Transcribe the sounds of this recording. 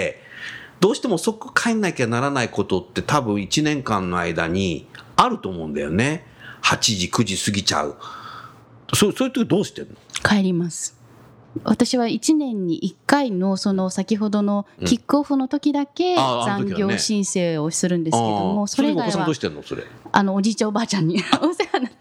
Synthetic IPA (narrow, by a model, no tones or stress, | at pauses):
d̪̥o̞ːɕi̥t̪e̞moso̞kɯ̥kʰainːaikʲeanaɾanaiko̞t̪o̞t̪ːe̞t̪abɯ̟̃ɰ̃it͡ɕinẽ̞ŋkãnːo̞a̰id̪a̰ɲ̟ḭaɾɯ̟t̪o̞ːmõ̞ɯ̟̃nd̪a̰jo̞̰ne | hat͡ɕiʑikɯ̟ʑisɨɡʲit͡ɕa̰ɯ̟̰ | sosojiɯt̪okʲid̪oːɕi̥t̪ẽ̞nːokaeɾʲimasɨ̥ | βat̪aɕiβait͡ɕinẽ̞ɲ̟ːiʔikːaino̞so̞no̞sakʲiɦo̞d̪o̞no̞kʲikːɯoɸɯ̟no̞t̪o̞kʲid̪ake̞azãŋɡʲjo̞ːɕĩɰ̃se̞ːo̞sɨɾɯ̟̃nd̪e̞ɨ̥ke̞d̪omo̞soɾeɡasãd̪oːɕit̪ẽnːoso̞̰ɾḛa̰no̞ːd͡ʑiːt͡ɕãobaːt͡ɕãɲ̟ːiosekana